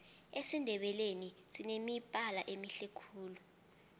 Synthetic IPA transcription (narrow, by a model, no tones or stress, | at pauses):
esindʱɛɓɛlenisinemipʼalaʔemiɬɛkʰuːlu